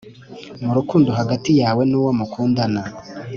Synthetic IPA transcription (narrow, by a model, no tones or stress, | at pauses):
muɾukuːndoɦaɡatijaːwe̞nuwomukuːndana